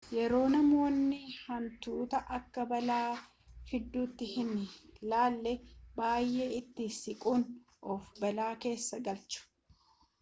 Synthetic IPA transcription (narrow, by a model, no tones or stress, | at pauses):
jɛɾo̞ːnɐmo̞ːnːɪhɐnt̪uːt̪ɐʔɐkːɐbɐlaː | fɪd̪ːuːt̪ːɪhɪnlaːlːɛbaːjʔe̞ːɪt̪ːɪsɪkʼuːn | ʔɔfbɐlaːke̞ːsːɐɡɐlt͡ʃʊ̥